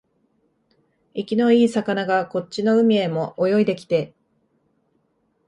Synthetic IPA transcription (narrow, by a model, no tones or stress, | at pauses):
ikʲino̞iːsakanaɡako̞t͡ɕt͡ɕino̞ɯ̟mʲie̞mo̞ʔːjo̞id̪e̞kʲi̥t̪e̞